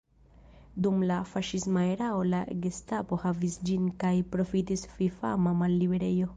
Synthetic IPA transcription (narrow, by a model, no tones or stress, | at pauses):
dumlafaʃismaeɾao̞laɡestapo̞havisd͡ʒinkajpɾo̞fitisfifa̰mamalːibe̞ɾe̞jo̞